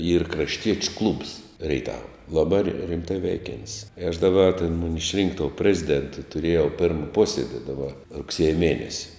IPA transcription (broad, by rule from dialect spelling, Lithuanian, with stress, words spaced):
iːr krɐʃʲˈtʲiɛt͡ʃʲʊ klˠʊps rʲɛɪˈtɑːʋɐ lˠɐˈbɑː rʲɪ rʲɪmˈtɐɪ ˈʋʲɛɪkʲɛnʲtʲsʲ ɪ ɐʃ dɐˈbɐ tʲeːn ˈmʊnʲɪ ɪʃʲˈrʲɪŋk toːʊ ˈpʲrʲæːzʲɪˌdʲeːntʊ tʊˈrʲiɛjɛʊ pʲɪrm ˈpuɔsʲiɛdʲɪ dɐˈbɐ rʊkˈsʲiɛjɛ ˈmʲiɛnʲɛsʲɪ